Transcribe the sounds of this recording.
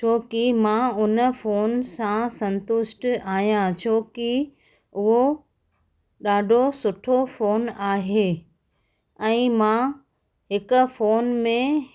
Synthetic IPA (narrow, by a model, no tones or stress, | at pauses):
t͡ɕʰoːkimãʊnəfoːnsãsɐ̃nt̪ʊsʈaːɦijãt͡ɕʰoːki | ʊɦo | ɗaːɖʱosʊʈʰofoːnaːɦeː | ɛ̃ːmã | ɦɪkʊ̆foːnmẽ